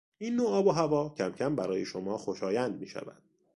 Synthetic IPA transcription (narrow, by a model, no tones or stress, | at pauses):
inːoɒːboɦævɒːcʰæmcʰæmbæɾɒːjeʃomɒːxo̞ʃɒːjænd̪̚miːʃæ̰væ̰d̪̥̚